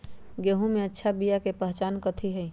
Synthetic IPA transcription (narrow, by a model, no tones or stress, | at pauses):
ɡeɦũmeətːʃʰabijakepəɦt͡ʃaːnkət̪ʰiɦəj